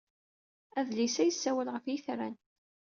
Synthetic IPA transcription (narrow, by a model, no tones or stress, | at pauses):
æðlisæjəsːæwəlʁəfjiθɾæ̰n